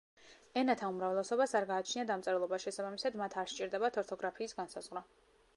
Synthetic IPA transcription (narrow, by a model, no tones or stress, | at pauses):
ɛnat̪ʰaumɾavɛlˠɛsɔbasaɾɡaːt͡ʃʰniad̪amt̪sʼɛɾɛlˠɔbaʃɛsabamisad̪mat̪ʰaɾʃt͡ʃʼiɾd̪ɛbat̪ʰɔɾt̪ʰɔɡɾapʰiːsɡansazʁɾa